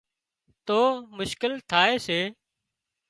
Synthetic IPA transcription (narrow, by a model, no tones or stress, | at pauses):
t̪oːmʊʃkɪlt̪ʰaːeːseː